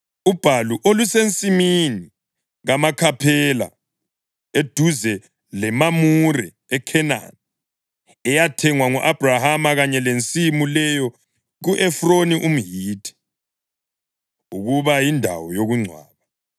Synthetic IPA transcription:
ub̥ʱaluʔolusent͡sʼimini | ɣamakʰapʰɛla̰ | ed̥ʱuzɛ | lɛmamurɛ̰ | ɛkʰɛna̰n | ɛjatʰɛŋwaŋuʔab̥ʱrahamaɣaɲɛlent͡sʼimulɛjɔ | ɣuʔɛfroniʔum̩ɦiːtʰɛ̥ | uɣuβajindʱa̰wɔjoɣuŋ͡ǀʱwa̰ːβa

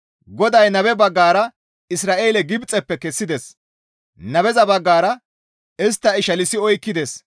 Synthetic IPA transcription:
ɡɔd̪ɐjnɐβɛbɐɡːaːɾɐ | ɪsɾaːʔeːlɛɡɪbt͡sʼːɛpːɛkɛsːɪd̪ɛs | nɐβɛzɐbɐɡːaːɾɐ | ɛs̬t̪ːɐɪʃɐlɪsɪɔjkːɪd̪ɛs

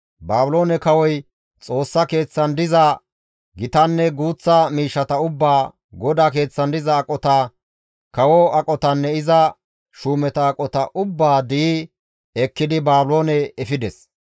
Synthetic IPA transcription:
baːbʊlo̞ːnɛkɐwɔj | t͡sʼo̞ːsːɐke̞ːt͡sːɐnd̪ɪzɐ | ɡɪt̪ɐnːɛɡuːt͡sːɐmiːʃːɐt̪ɐʊbːaː | ɡɔd̪aːke̞ːt͡sːɐnd̪ɪzɐːkʼɔt̪a | kɐwɔɐkʼɔt̪ɐnːɛɪzɐ | ʃuːmɛt̪ɐːkʼɔt̪ɐʔʊbːaːd̪ɪi | ɛkːɪd̪ɪbaːbʊlo̞ːnɛɛfɪd̪ɛs

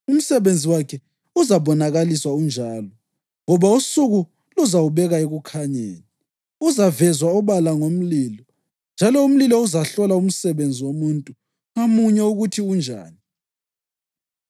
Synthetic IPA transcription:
um̩sɛβend͡zʱiwakʰɛ | uzaβɔnaɣaliswaund͡ʒʱaːlɔ | ŋɔβausuɣu | luzawuβɛɣaeɣukʰaɲḛːni | uzavɛzwaɔβalaŋom̩liːlɔ | nd͡ʒʱalɔum̩lilɔuzaɬɔlaum̩sɛβend͡zʱiwomuntʼu | ŋamuɲɛuɣutʰiund͡ʒʱa̰ːni

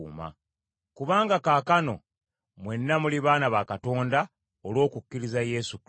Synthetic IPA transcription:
ma̰ | kuβaːŋɡakaːkano̞̰ | mwe̞nːamuliβaːnaβakato̞ːnda | olwo̞ːkukːiɾizaje̞suk

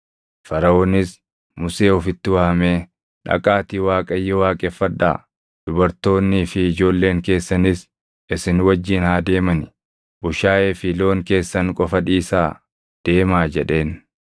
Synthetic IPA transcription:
fɐɾɐoːnɪs | mʊse̞ːɔfɪt̪ːɪwɐːhɐmeː | ᶑɐ̰kʼaːt̪iːwaːkʼɐjːɛwaːkʼɛfːɐᶑːa̰ː | d̪̥ʊbɐɾt̪o̞ːnːɪːfɪːd͡ʒo̞ːlːe̞ːŋke̞ːsːɐnɪs | ɪsɪnwɐd͡ʒːiːnhaːd̪e̞ːmɐnɪ | bʊʃaːʔeːfɪlo̞ːŋke̞ːsːɐnkʼɔfɐᶑiːsaː | d̪̥e̞ːmaːd͡ʒɛᶑe̞ːn

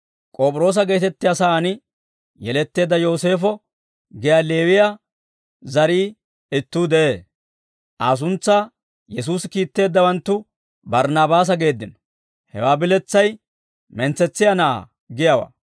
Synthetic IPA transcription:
kʼo̞ːpʼɾo̞ːs̬ɐɡe̞ːt̪ɛt̪ːɪjasɐːnɪ | jɛlɛt̪ːe̞ːd̪ːɐjo̞ːse̞ːfɔ | ɡɪjaːle̞ːwɪja | zɐɾiː | ɪt̪ːuːd̪ɛʔeː | ʔaːs̬ʊnt͡sːaː | jɛs̬uːsɪkiːt̪ːe̞ːd̪ːɐwɐnt̪ːʊ | bɐɾnaːbaːs̬ɐɡe̞ːd̪ːɪnɔ | hɛ̰waːbɪlɛt͡sːɐj | mɛnt͡sːɛt͡sːɪjanɐa̰ | ɡɪjawa̰ː

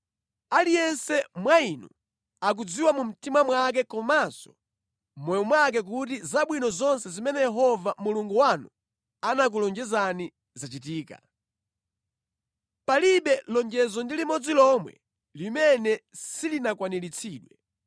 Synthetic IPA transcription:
alijɛnsɛmwainɔ̰ | ak̬ud͡ziwamum̩timamwak̬ɛkɔmazɔ | mɔjɔmwak̬ɛk̬ut̬izaɓwinɔzɔnsɛzimɛnɛjɛɦɔvamuluŋɡuwanu | anak̬ulɔnd͡ʒɛzani | zat͡ʃitiːka̰ | paliɓɛlɔŋd͡ʒɛzɔndilimɔd͡zilɔmwɛ̰ | limɛnɛsilinakwanilit͡sʰiːɗwɛ

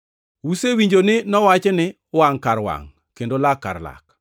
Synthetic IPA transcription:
wusewiɲd͡ʒonɪnɔwat͡ʃɛnɪ | waŋkaɾwa̰ŋ | kendolakːa̰rla̰k

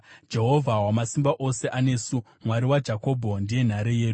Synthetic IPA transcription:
d͡ʒe̞ɦo̞vʱawamasimbaʔo̞se̞ʔane̞ːsu | mwaɾiwad͡ʒako̞ːbʱondije̞n̤aɾeje̞ːu

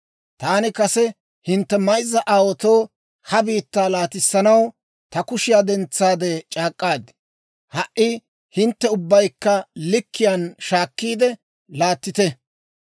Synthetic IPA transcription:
t̪aːnɪkɐsɛ | hɪnt̪ːɛmɐjzːɐʔaːwɔt̪o̞ː | hɐbiːt̪ːaːlaːt̪ɪsːɐnɐw | t̪ɐkʊʃɪjaːd̪ɛnt͡sːaːd̪ɛt͡ʃʼaːkʼːaːd̪ɪ | hɐʔɪ | hɪnt̪ːɛʊbːɐjkːɐlɪkʰːɪjaːnʃaːkːiːd̪ɛ | laːt̪ːɪt̪ɛ

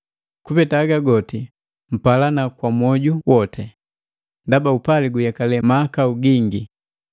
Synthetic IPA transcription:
kupɛtaːɡaɡɔti | m̩palanakwamwɔɟuwɔtʰɛ | ndabaupaliɡujakalɛmaːkauɡiŋɡi

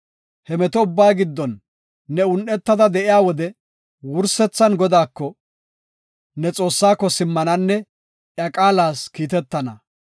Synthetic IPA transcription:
hɛmɛt̪ɔʊbːaːɡɪd̪ːɔnː | ɛʊnʔɛt̪ːɐd̪ɐd̪ɛʔɪjaːwɔd̪ɛ | wʊɾsɛt͡sːɐnɡɔd̪aːkːɔ | nɛt͡sʼo̞ːsːaːkːɔsɪmːɐnɐnːɛ | jɐkʼaːlaːskiːt̪ɛt̪ːɐnɐ

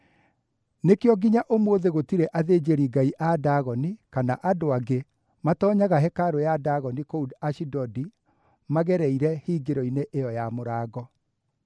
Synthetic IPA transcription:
nekeɔɡiɲaʔomoðeɣotiɾɛʔaðed͡ʑeɾiɡaiʔadaɣɔnikanaʔadoaɡe | matɔːɲaɣaɦɛkaɾojadaɣɔnikoudaʃidɔdi | maɣɛɾɛiɾɛhiːɡeɾɔineʔejɔjamoɾaːɣɔ

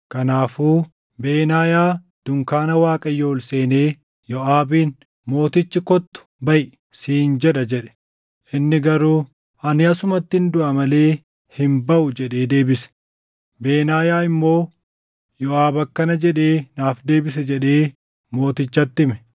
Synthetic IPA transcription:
kɐnaːfuː | beːnaːjaː | d̪̥ʊŋkaːnɐwaːkʼɐjo̞ːlse̞ːne̞ː | jɔʔaːbiːn | mo̞ːt̪ɪt͡ʃːɪkɔt̪ːʊ̥bɐʔ | siːnd͡ʒɛᶑɐd͡ʒɛᶑɛ̥ | ʔɪnːɪɡɐɾuː | ʔɐnɪɐsʊmɐt̪ːɪnd̪ʊʔɐmɐle̞ː | hɪmbɐʔʊd͡ʒɛᶑe̞ːd̪e̞ːbɪsɛ̥ | be̞ːnaːjaːɪmːo̞ː | jɔʔaːbɐkːɐnɐd͡ʒɛᶑeːnaːfd̪e̞ːbɪs̬ɛd͡ʒɛᶑe̞ː | mo̞ːt̪ɪt͡ʃːɐt̪ːɪmɛ̥

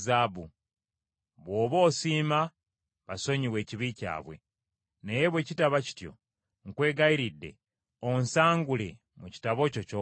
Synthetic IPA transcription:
zabu | βwo̞ːβo̞ːsiːma | βaso̞ɲiwe̞ːciβica̰ːβwe̞̰ | ne̞je̞βweːcitaβaci̥tjo̞̰ | ŋ̩kwe̞ːɡaiɾidːe̞̰ | onsaːŋɡule | muci̥taβo̞coco

